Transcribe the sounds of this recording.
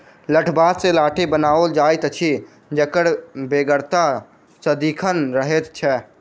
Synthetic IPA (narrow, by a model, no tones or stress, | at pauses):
ləʈʰbat̪selaːʈʰebənaːold͡ʒajt̪ət͡ʃʰi | d͡ʒəkəɽbeɡəɾt̪a | səd̪ikʰənɾəɦet̪t͡ʃʰɛ